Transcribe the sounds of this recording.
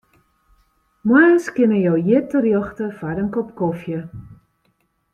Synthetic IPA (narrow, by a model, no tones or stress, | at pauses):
maskɪnəjowjɪtərjɔxtəfaɾəŋkɔpkɔfjə